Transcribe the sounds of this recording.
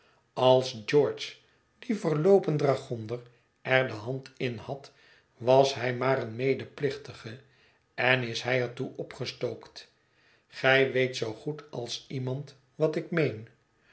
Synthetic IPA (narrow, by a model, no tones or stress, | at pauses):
ɑlˠsd͡ʒɔɹt͡ʃ | d̥ivəɹlowpəndraχɔndəɹ | ʔɛɹdəɦɑntɪnhɑt | ʋɑsɦɛjmaːɾənmejdəplɪχtəχə | ɛnɪsɦɛjɛɹtuʔɔpχəstowkt | χɛjʋejtsowχutɑlˠsimɑnt | ʋɑtɪkmejn